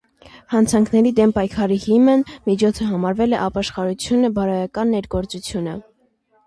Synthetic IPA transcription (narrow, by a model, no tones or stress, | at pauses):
hɑnt͡sʰɑŋkʰnɛɾid̪ɛmpɑjkʰɑɾihimənmit͡ʃʰɔt͡sʰəɦɑmɑɾvɛlɛʔɑpɑʃχɑɾut͡sʰjunəbɑɾɑjɑkɑnːɛɾɡɔɾt͡sut͡sʰjunə